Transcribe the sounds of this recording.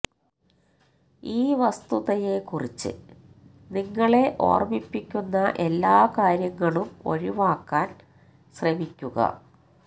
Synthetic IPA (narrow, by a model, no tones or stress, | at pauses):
iːʋɐst̪uðɐje̞kurit͡ɕːɨ̰ | niŋːɐɭe̞ʔo̞̰ːrmipːikʲːunːɐʔelːaːkaːɾjɐŋːɐɭumo̞̰ɻiʋaːkːaːn | ɕremikʲːuɣɐ̰